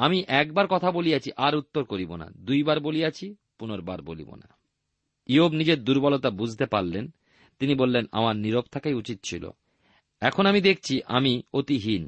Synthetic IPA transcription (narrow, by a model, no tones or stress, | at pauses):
amiʔɛk̚baɾkɔt̪ʰabolijat͡ɕʰiʔaɾut̪ːoɾkoɾibona̰d̪ujbaɾbolijat͡ɕʰi | punoɾbaɾbolḭbo̰na̰ | iobnid͡ʑeɾd̪uɾbɔlot̪abud͡ʑʱt̪epaɾlen | t̪inibolːena̰maɾniɾop̚t̪ʰakajut͡ɕit̪̚t͡ɕʰilo̰ | ɛkʰonamid̪ek̚ʰt͡ɕʰiʔa̰miot̪iɦin